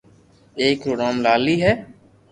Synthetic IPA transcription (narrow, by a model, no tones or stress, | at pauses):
eːk̚pɾoːɡɾaːmlaːliːɦɛː